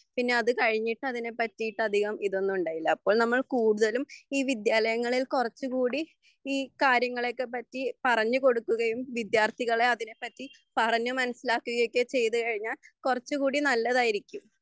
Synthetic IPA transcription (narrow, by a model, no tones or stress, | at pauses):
pinːe̞ɐðɨkɐɻiɲːiʈːɨɐðine̞pɐtːijiʈːɨɐd̪ʱiɣɐmiðo̞nːuuɳɖaːjilːɐːpːo̞ːɭnɐmːɐɭkuːɽuðɐlumiːʋid̪jaːlɐjɐŋːɐɭilkurɐt͡ɕːukuːɽi | iːkaːɾjɐŋːɐɭekːepɐtːipɐrɐɲːɨko̞ɽukːuɣɐjumʋid̪jaːrt̪ʰiɣɐɭe̞ɐðine̞pːɐtːi | pɐrɐɲːumɐnɐsilaːkːuɣɐjo̞kʲːet͡ɕe̞jt̪ukɐɻiɲːaːlkurɐt͡ɕːukuːɽinɐlːɐðaːjiɾikʲːum